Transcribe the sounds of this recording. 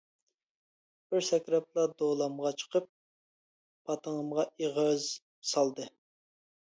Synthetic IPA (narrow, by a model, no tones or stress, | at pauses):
b̥ɪɾsɛkʲɾɛp̚lˠɑd̪olˠɑmʁɑt͡ʃʰə̥qʰəp̚ː | ɑt̪ʰəŋəmʁɑʔiʁəz | sɑlˠd̪ɨ